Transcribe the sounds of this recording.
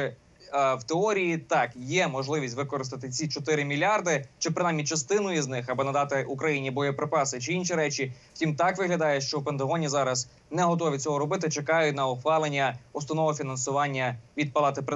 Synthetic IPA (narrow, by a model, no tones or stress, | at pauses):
ɪ | wt̪eɔɾʲijit̪ɑkjɛmɔʒlˠɪʋʲisʲtʲʋɪkɔɾɪst̪ɐt̪ɪt͡sʲit͡ʃɔt̪ɪɾɪmʲilʲɑrd̪ɪt͡ʃɪpɾɪnɑjmʲit͡ʃɐst̪ɪnʊiznɪxɐbɨnɐd̪ɑt̪ɪʔukɾɐjinʲibɔjɔpɾɪpɑsɪt͡ʃɪinʃʲiɾɛt͡ʃʲiw̥tʲimt̪ɑkʋɪɦlʲɐd̪ɑjɛʃt͡ʃɔwpent̪ɐɦɔnʲizɑɾɐz | nɛɦɔt̪̬ɔʋʲit͡sʲɔɦɔɾɔbɪt̪̬ɪt͡ʃekɑjʊtʲnɐɔxʋɑlˠenʲːɐɔst̪ɐnɔʋɔfʲinɐnsʊʋɑnʲːɐʋʲid̪̚pɐlˠɑt̪ɪpɾɪ